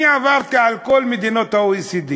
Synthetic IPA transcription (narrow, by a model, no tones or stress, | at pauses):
avaɾt̪aalkɔlmid̪inɔt̪auisid̪i